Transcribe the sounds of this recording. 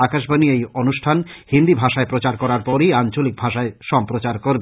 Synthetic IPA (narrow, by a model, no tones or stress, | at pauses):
akaʃbaniejonuʃʈʰanhind̪ibʱaʃaepɾot͡ɕaɾkɔɾaɾpɔɾijant͡ɕolik̚bʱaʃaeʃɔmpɾot͡ɕaɾkoɾbe